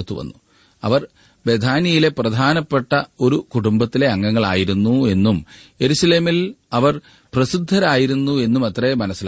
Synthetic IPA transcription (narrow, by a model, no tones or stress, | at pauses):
t̪ːuʋɐ̰nːu | ɐ̰ʋɐr | be̞d̪ʱaːnijile̞prɐd̪ʱaːnɐpːe̞ʈːɐo̞ɾukuɽumbɐt̪ːile̞ɐŋːɐŋːɐɭa̰ːjiɾunːue̞nːumje̞ɾuɕɐle̞ːmilɐʋɐr | prɐsid̪ʱːɐɾaːjiɾunːue̞nːumɐt̪rɐjemɐnɐsːil